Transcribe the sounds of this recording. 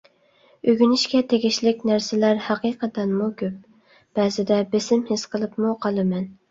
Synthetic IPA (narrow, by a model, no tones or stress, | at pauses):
øɡʲynɪʃkʲɛt̪ʰeɡʲiʃlɪkʲnæɾsɪlæɾhɑqiqət̪ɛnmukʲʰøp̚ | b̥ɛzɪd̪ɛbesɪmhɪsqəlˠɨpmuqʰɑlˠɨmɛn